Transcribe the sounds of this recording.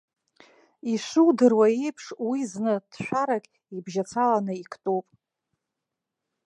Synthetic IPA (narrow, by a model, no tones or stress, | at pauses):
iʃʷuwdɨrwajejpʰʂwiznɨd̥ʃʷᶣaɾakʲʼ | ibʒat͡sʰalanɨikʰtʼupʼ